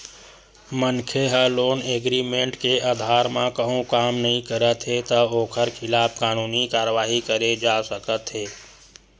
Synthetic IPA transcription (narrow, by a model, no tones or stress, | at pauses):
mənkʰeɦəloːneːɡɾiːmẽɳʈkeʔaːd̪ʱaːɾmãkəɦõkaːmnəɦĩkəɾət̪ɦet̪əoːkʰəɾkʰɪlaːpkaːnuːnikaːɾəʋaːɦikəɾed͡ʒaːsəkət̪ɦeː